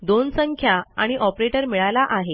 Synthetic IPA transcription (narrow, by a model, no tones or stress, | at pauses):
d̪onsəŋkʰjaaɽ̃iʔɔpɾeʈəɾmiɭajlaʔaɦe